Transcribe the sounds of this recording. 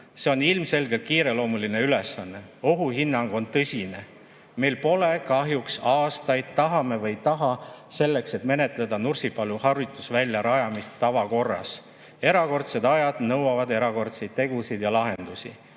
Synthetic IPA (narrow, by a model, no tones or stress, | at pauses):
se̞o̞nːilmse̞lɡe̞lt̪̚kiːɾe̞lo̞ːmuline̞yle̞sɑnːe̞o̞ɦuɦinːɑŋɡ̥o̞nt̪ɤsʲine̞ | me̞jlpo̞le̞kɑɦjuksɑːst̪ɑjd̪̥̚t̪ɑɦɑme̞vɤjt̪ɑɦɑse̞lːe̞kse̞t̪me̞ne̞t̪ˑle̞d̪ɑnursipɑluhɑrut̪ːˑusvælʲːjɑɾɑjɑmist̪ːɑvɑko̞rːɑ̰s | e̞ɾɑko̞rt̪se̞d̪ɑjɑd̪̥nɤwɑvɑd̪e̞ɾɑko̞rt̪se̞jd̪̚t̪ːe̞ɡ̥usid̪̥jɑlɑɦe̞nd̪̥usḭ